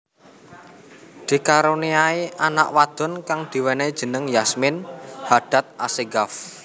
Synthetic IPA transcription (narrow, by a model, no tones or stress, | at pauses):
d̪̥i̤kaɾuniaiʔana̰ʔwad̪̥ɔ̤nkaŋd̪̥i̤wɛne̥ʒ̥ə̤nəŋjasmɪnhaɖ̥a̤t̪̚aseɡaf